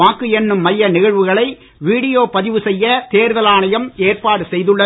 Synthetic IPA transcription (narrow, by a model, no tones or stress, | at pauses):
aːkːɯɛnːɯmːɐjːɐnɪɣɐɻʋɯɣɐɭɐɪ | ʋiːɽɪjoːpɐðɪʋɯsɛjːɐt̪eːɾðɐlaːnɐjɐmeːrpaːɽɯsɛjðɯɭːɐ